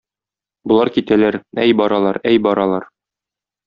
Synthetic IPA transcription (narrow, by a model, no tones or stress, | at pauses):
bŏlˠɑɾkit̪ælæɾæjbɒɾɑlˠɑɾæjbɒɾɑlˠɑɾ